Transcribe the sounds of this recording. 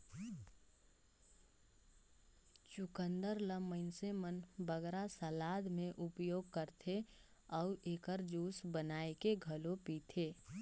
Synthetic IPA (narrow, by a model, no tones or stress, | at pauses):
t͡ʃʊkə̃nd̪əɾləməɪnsemənbəɡɾasəlaːd̪mẽʔʊpjoːɡ̚kəɾt̪ʰe | ɔʊʔeːkəɾd͡ʒuːsbənaːekeɡʱəlopiːt̪ʰeː